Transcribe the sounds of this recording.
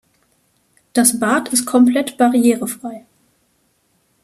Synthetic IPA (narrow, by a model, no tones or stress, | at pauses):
d̥asbaːɐtʰɪst̚kʰɔmpl̥ɛtb̥aʁieːʁəfʁ̥aɪ